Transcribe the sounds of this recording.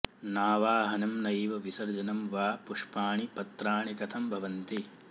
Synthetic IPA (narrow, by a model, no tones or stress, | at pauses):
naːʋaːɦɐnɐmnɐjʋɐʋisɐɾd͡ʒɐnɐmʋaːpuʂpaːɳipɐt̪ɾaːɳikɐt̪ʰɐmbʱɐʋɐnt̪i